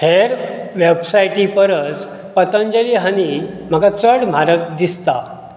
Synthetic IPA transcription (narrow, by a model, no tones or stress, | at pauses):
heɾʋebsajʈipəɾət͡s | pət̪ə̃nd͡ʑəliɦənim̤əɡat͡səɽm̤ʱaɾək̚d̪ist̪a̰